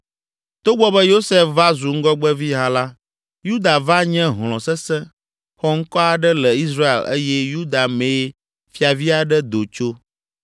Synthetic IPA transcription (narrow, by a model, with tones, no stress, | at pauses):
t̪o˦ɡ͡bɔ˦bɛ˦jo˦se˦fva˦zu˨ŋ̩˦ɡɔ˦ɡ͡bɛ˦vi˦ɦã˦la˦ | ju˦d̪a˨va˦ɲɛ̃˦ɦl̃ɔ̃˨sɛ˦sɛ̃˦ | xɔ˦ŋ̩˦kɔ˦a˨ɖɛ˦lɛ˨i˦sɾa˦ḛ˨lḛ˦jɛ˦ju˦d̪a˨mẽ˨˦ | fi˦a˨vi˦a˨ɖɛ˦d̪o˨t͡ʃo˦